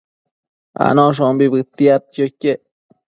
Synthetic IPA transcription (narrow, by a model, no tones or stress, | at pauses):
a̰nõʂombibɨt̪ːiat̪̚kjokːe